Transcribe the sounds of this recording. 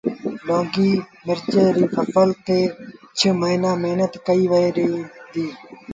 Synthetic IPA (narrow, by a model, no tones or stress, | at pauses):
lõːɡiːmɪɾd͡ʒeːɾiːfʰəkəlt̪eːt͡ʃʰəməinaːmeɦnət̪kəiːʋəeːɾĩːd̪iː